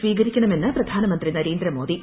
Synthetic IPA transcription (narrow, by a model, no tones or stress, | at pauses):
ʋiːɣɐɾikʲːɐɳɐme̞nːɨprɐd̪ʱaːnɐmɐnd̪rinɐɾeːnd̪ɾɐmo̞ːd̪i